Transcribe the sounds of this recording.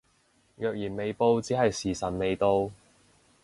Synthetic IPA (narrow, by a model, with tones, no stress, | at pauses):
jœː˨k̚jiː˨˩nme˨˧jpo˧wt͡siː˨˥hɐ˨jsiː˨˩sɐ˨˩nme˨˧jt̪o˧w